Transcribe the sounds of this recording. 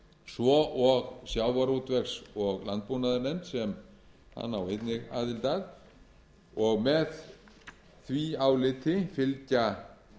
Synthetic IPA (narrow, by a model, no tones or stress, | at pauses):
svɔʔɔɣsjaːwvaɾut̪vɛxsɔɣlant̪̚punaðaɾnɛnt̪sɛm | ha̰nːa̰wejt̪nɪɣa̰ːðɪlt̪að | ɔɣmɛð | θviaːwlɪt̪ʰɪfɪlca